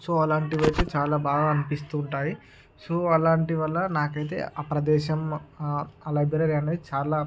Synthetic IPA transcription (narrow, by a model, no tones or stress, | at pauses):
soɐlaːɳʈiʋɐjt̪eːt͡ʃaːlaːbaːɡaɐnipist̪uːɳʈaːji | soɐlaːɳʈiʋɐlːɐnaːkɐjt̪̬e̞̰ːʔaːpɾɐd̪ɛːʃɐm | ɐlɐjbiɾɐɾiɐnet͡ʃaːlaː